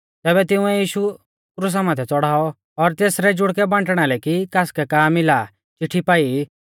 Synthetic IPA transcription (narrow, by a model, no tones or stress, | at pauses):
t̪ɛːbɛt̪ɪ̃ʊ̃ɛjiːʃu | kɾʊs̬amãt̪ʰɛt͡sɔɽaːɔ | ɔɾt̪eːsɾɛd͡ʒʊɽkɛbãːɳʈɽ̃alɛkikaːskɛkaːmɪla | t͡ʃɪʈʰːipaːi